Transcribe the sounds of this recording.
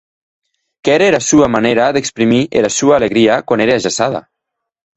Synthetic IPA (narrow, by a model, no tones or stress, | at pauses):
kɛɾeɾasuamaneɾaðekspɾimiʔḛɾasuaːleɣɾiakwaneɾeaʒasað̞a̰